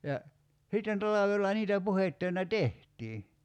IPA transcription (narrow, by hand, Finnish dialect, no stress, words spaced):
jɑ sitːen tɑlɑʋelːɑ niːtæ puhetːøinæ tehtiː